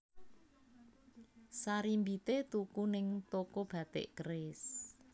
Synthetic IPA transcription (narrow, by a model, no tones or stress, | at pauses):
saɾimbit̪et̪ukunɪŋt̪okob̥a̤t̪ḛʔkrɪs